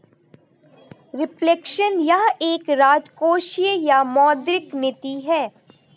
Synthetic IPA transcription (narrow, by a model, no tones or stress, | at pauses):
ɾɪplekʃənjaɦeːkɾaːd͡ʒkoːʃjəjamɔːd̪ɾɪknɪt̪iɦɛː